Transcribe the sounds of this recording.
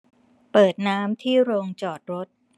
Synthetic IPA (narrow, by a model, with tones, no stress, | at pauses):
pɤː˨˩t̪̚naː˦˥mt̪ʰiː˥˩ɾoː˧ŋt͡ɕɔː˨˩t̪̚ɾo˦˥t̪̚